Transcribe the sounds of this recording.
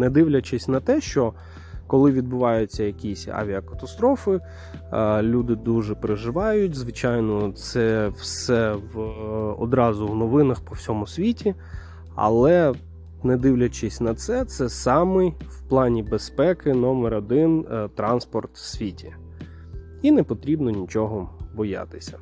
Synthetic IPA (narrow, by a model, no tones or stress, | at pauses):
nɛd̪ɪwlʲɐt͡ʃɪsʲnɐt̪ɛʃt͡ʃɔ | kɔlˠɪʋʲid̪̚bʊʋɑjʊt͡sʲːɐjɐkʲisʲa̰ʋʲiɐkɐ̥t̪ɐst̪ɾɔfɪ | lʲud̪ɪd̪uʒɛpɾeʒɪʋɑjʊtʲzʋɪt͡ʃɑjnɔt̪sɛwsɛʋɔ̰d̪ɾɑzʊwnɔʋɪnɐxpɔw̥sʲɔmʊsʲʋʲitʲi | ɐ̰lˠɛ | nɛd̪ɪwlʲɐt͡ʃɪsʲnɐt̪sɛt̪sɛsɑmɪjwplˠɑnʲibespɛkɪnɔmɛɾɐd̪ɪnt̪ɾɑnspɔrt̪sʲʋʲitʲʰi | inɛpɔt̪ɾʲibnɔnʲit͡ʃɔɦɔbɔjɑ̰t̪ɪ̥sʲɐ̥